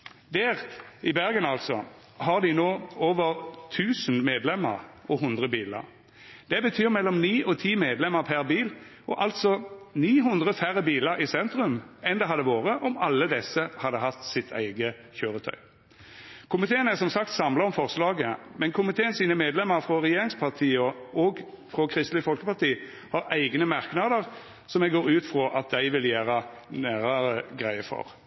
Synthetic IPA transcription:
d̪æːʁɪbæʁɡənɑlt̪sɔ̰ | hɑʁd̪ɪnoːoːʋəʁt̪ʰʉːsnmeːd̪lɛmːə̰ʁɔɦʊnd̪ʁəbiːlə̰ʁ | d̪̥ɛbət̪ʰyːʁmɛlːɔmniːʔɔt̪ʰiːmeːd̪lɛməʁpʰæʁbiːl | ɔʔɑlt̪sɔniːɦʉnd̪ʁəfæɾəbiːləɾɪsɛnt̪ʁʉmɛnd̪ɛɦɑd̪əʋoːʁəʔɔmɑlːəd̪ɛsəhɑd̪ːəɦɑt̪ːsɪt̪ʰæ̰ɪɡə | çøːɾət̪ʰœ̰ʏ | kʰʊmɪt̪ʰeːənæʁsɔmsɑkt̪sɑmlɑɔmfɔʁslɑːɡəmɛnkʰʊmɪt̪ʰeːənsiːnəmeːd̪lɛmːəɾfɾɔʁɛjeːɾɪŋspʰɑʁt̪ʰiːɔɔɡ | fɾɔkʰɾɪst̪lɪfɔlkəpɑʁt̪ʰiː | hɑɾæɪɡnəmɑʁknɑd̪əʁ | sɔmɛɡoːɾʉːt̪fɾɔʔɑt̪̚d̪æɪʋɪljæːɾə | næːɾəɾəɡʁæɪəfɔ̰ʁ

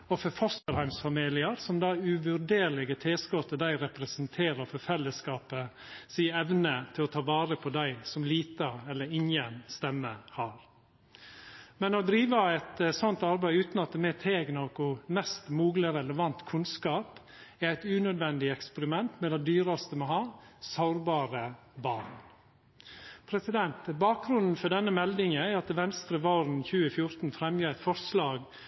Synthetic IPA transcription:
ɔfɔfɔst̪əɾhæɪmsfɑmiːlɪəɾsɔmd̪ɑʉʋʉɾɖ̪eːɾlɪɡət̪ʰeːskɔt̪ːəd̪æɪɾɛpɾəsənt̪ʰeːɾəɾfɔfɛlːəskɑːpə | siːɛʋnət̪ʰɪlɔt̪ʰɑːʋɑːɾəpʰɔd̪æɪsɔmliːt̪əɛlːəɾɪŋənst̪ɛmːəhɑːɾ | mɛnɔd̪ɾiːʋəæɪt̪sɔnt̪ɑɾbæɪʉːt̪nɑt̪̚d̪ɛmɛt̪ʰeːɡnokʊmɛst̪muːɡləɾɛləʋɑnt̪kʰʉnskɑːp | ææɪt̪ʉːnœd̪ʋɛnd̪ɪɛkspəɾɪmɛnt̪mɛːd̪ɛd̪yːɾɑst̪əmohɑːsɑʊɾbɑːɾə | bɑːɾn | pʰɾɛsɪd̪ɛnt̪bɑːk̚ɡɾʉnn̩fɔɖɛnːəmɛld̪ɪŋəæɾɑt̪ʋɛnst̪ɾəʋɔɾn̩çʉːəfjʊɾt̪n̩fɾɛmjəːæɪt̪fɔɾslɑːɡ

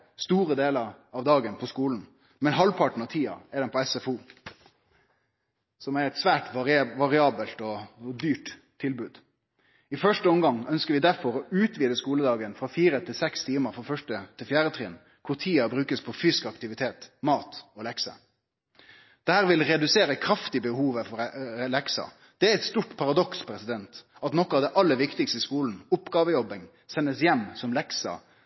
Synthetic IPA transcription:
st̪uːʁəd̪eːləɾ | ɑʋd̪ɑːɡənpʰɔskuːln̩ | mɛnɦɑlpʰɑʈɳ̩ɑʋt̪ʰiːɑ̰ɛɖ̪ɛnpʰɔɛsɛfuː | sɔmæɾɛt̪sʋæːʈʋɑʁɪɑːbəlt̪ɔd̪yːʈt̪ʰːɪlbʉːd̪ | ɪfœʂʈəɔmɡɑŋœnskəʁʋɪd̪æɾfɔɾɔʔʉːt̪ʰʋiːd̪əskuːləd̪ɑːɡənfʁɑfiːɾət̪ʰɪlsɛkst̪ʰiːməɾfɔfœʂʈət̪ʰɪlfjæːɾət̪ʰʁɪn | kʰʊɾt̪ʰiːɑbɾʉːkəspʰɔfyːskɑkt̪ɪʋɪt̪ʰeːt̪mɑːt̪ɔlɛksə̰ | d̪̥ɛhæːʁʋɪlɾɛd̪ʉseːɾəkʰɾɑft̪ɪbəhuːʋəfɔɾlɛksɑ̰ | d̪̥ɛæɾɛt̪st̪uːʈpʰɑɾɑd̪ɔkspʰɾɛsɪd̪ɛnt̪ɑt̪nɔkːɑʋd̪ɛʔɑlːəʋɪkt̪ɪkst̪əskuːln̩ʊpɡɑːʋəjɔbɪŋ | sɛnːəsjɛmːsɔmlɛksɑ̰

